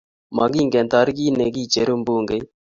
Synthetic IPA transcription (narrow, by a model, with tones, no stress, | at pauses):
ma˨ɡi˦ŋɡe˨nt̪a˦ɾɡi˦ne˨ɡi˦t͡ʃe˨ɾu˦mbuː˦ŋɡe˨j